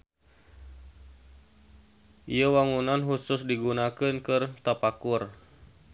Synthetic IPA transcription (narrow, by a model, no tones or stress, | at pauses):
ʔijəwaŋunanɦusʊsdiɡunakɨnkɨrt̪apakʊr